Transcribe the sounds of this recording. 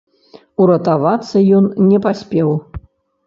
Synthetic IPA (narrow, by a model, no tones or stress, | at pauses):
uɾɐt̪avat̪sːɐjɔnnʲɛpasʲpʲɛw